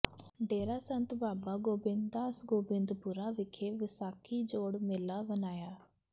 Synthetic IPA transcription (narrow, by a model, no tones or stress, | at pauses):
ɖeːɾaːsənt̪baːbaːɡoːbɪnd̪aːsɡoːbɪ̃nd̪pʊɾaːʋɪkʰeːʋɪsaːkʰiːd͡ʒoːɽmɪlaːbənaːjaː